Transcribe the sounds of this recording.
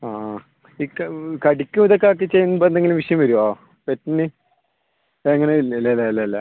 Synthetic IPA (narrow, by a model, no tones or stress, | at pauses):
aː | iːkkɐɽikʲːumiðokːeaːk̬ːet͡ɕːejːunːɨpoend̪eŋɡilumʋiʂɐjɐmʋɐɾuaː | petːinːɨ | eŋːɐneililːlːɐilːɐlːɐ